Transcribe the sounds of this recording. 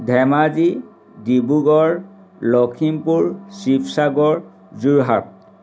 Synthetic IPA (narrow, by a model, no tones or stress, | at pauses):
dʱɛmazi | dibuɡɔɹ | lɔkʰimpuɹsipʰsaɡɔɹ | zuɹɦa̰p̚